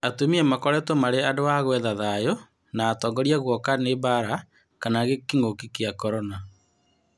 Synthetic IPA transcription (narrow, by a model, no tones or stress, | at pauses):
atumiɛmakɔɾɛtomaɾeadoaɣwɛðaðajo | naːtɔːŋɡɔɾiaɣwɔkanebaɾa | kanaɣekiŋokikeakɔɾɔna